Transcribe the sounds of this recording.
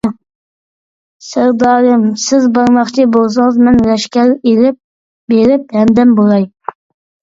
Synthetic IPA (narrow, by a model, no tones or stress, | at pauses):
səɾd̪ɑːɾɨmsɪzbɑɾmɑχt͡ʃʰɪbolˠs̬ɨŋəzmɛnɾɛʃkʲɛɾelɪp̚ | beɾɪphɛmd̪ɛmbolˠɑj